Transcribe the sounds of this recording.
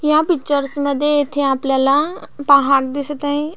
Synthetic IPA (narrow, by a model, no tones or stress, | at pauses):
jãbɪt͡ʃːəɾsmɛ̃d̪eːt̪ʰːeaːplɛlãpaɦaːɾd̪ɪst̪ãĩ